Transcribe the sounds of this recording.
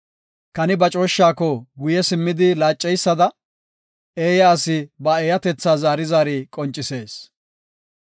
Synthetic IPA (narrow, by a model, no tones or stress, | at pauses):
kɐnɪbɐt͡ʃʼo̞ːʃːaːkɔɡʊjɛsɪmːɪd̪ɪlaːt͡ʃʼːɛjsːɐd̪ɐ | eːjɐːsɪbɐeːjɐt̪ɛt͡sːaːzaːɾɪzaːɾiːkʼɔnt͡ʃʼɪse̞ːs